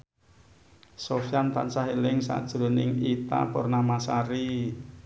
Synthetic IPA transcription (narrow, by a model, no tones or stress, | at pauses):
sofjant̪a̰nsaɦelɪŋsa̰d̥ʒ̥ɾo̤nɪŋit̪a̰pʊrnamasaɾi